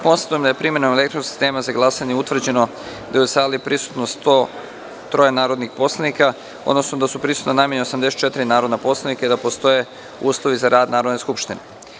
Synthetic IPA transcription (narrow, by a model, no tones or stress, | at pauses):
po̞nsḁt̪ujemd̪ajepɾime̞nomele̞kt̪ɾosi̥st̪e̞ːmazaɡlˠasaɲeut̪ʋr̩d͡ʑe̞no | d̪ajusalipɾisu̥t̪nost̪o | t̪ɾo̞jenaːɾod̪nixpo̞slˠanika | od̪nosnod̪asupɾisu̥t̪nonamjeɲeosamd̪ese̥t̪t͡ʃe̞t̪iɾinaːɾo̞d̪napo̞slˠenikaid̪apo̞st̪o̞je̞ | uːslˠo̞ʋizaɾʔaːd̪naːɾo̞d̪ne̞skupʃt̪ine